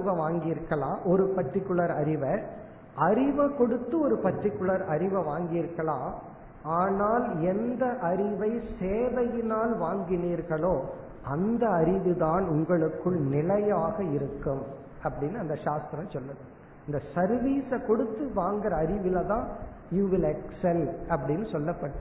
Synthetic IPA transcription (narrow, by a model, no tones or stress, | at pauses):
ʋɐʋaːŋɡiːɾɣɐɭãːʔɔɾɯpɐʈrɪkːɯɭɐɾɐɾɪʋɐ | ʔɐɾɪʋɐkɔɽɯt̪ːɯɔɾɯpɐʈrɪkːɯɭɐɾɐɾɪʋɐʋaːŋɡiːɾɣɐɭãː | aːnaːlɛnd̪ɐʔɐɾɪʋɐɪseːʋɐjɪnaːlʋaːŋɡɪniːɾɣɐɭoː | ʔɐnd̪ɐɐɾɪʋɯðaːnʊŋɡɐɭɯkːɯɭnɪlɐjaːɣɐɪɾɯkːɯm | ɐpːɐɽɪnːɯɐnd̪ɐʃaːst̪ɪɾɐmsɔlːɐðɯ | ɐnd̪ɐsɐɾʋiːsɐkɔɽɯt̪ːɯʋaːŋɡɐɾɐɐɾɪʋɪlɐðãː | juːʋɪlɛksɛlɐpːɐɽɪnːɯsɔlːɐpːɐʈːɯ